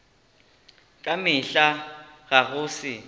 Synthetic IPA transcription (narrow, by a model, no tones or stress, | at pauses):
kʼamɪɬaɣaɣ̬ʊːsɪ